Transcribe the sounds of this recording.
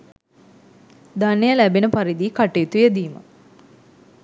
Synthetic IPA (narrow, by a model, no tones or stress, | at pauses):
d̪anːejəlæbenəpaɾid̪iːkaʈejit̪ujəd̪iːmə̰